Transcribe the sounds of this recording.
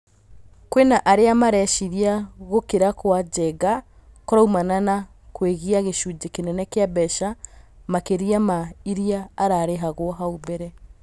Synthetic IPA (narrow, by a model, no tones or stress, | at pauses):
kwenaʔaɾeamaɾɛʃiɾiaɣokeɾakwad͡ʒɛɡa | kɔɾaumanana | kweɣiaɣeʃud͡ʒekenɛnɛkeabɛʃamakeɾiamaiɾiaːɾaɾeɦaɣoɔɦaubɛɾɛ